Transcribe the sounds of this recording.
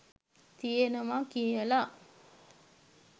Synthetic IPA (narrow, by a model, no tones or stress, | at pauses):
t̪ijenəʋakijəla